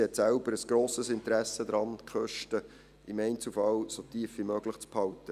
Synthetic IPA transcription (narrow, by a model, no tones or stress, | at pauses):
hɛt̪sælbəɾəsɡ̥ɾoːsəsɪntəɾæsəd̪ɾɑnkχœʃtə | ʔɪmɛɪnt͡sufɑlsot̪iːfʋimøːɡləχt͡sphɑltə